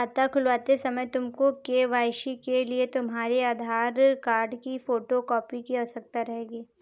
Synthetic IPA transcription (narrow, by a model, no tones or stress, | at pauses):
at̪akʰʊlʋaːt̪esɐməjt̪ʊmkokeʋaːjʃikeliet̪ʊmɦaːɾiaːd̪ʱaːɾkaːɾɖkifoːʈokɔːpikiɐsək̚t̪aɾɐɦeːɡiː